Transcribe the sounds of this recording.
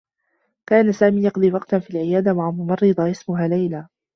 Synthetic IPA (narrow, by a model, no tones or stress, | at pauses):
kaːnasaːmiːjɑqd̪ˤiːwɑqt̪fiːlʕɪjaːd̪amaʕamʊmɑrˤːɨd̪ˤɑʔɪsmʊɦaːlajlaː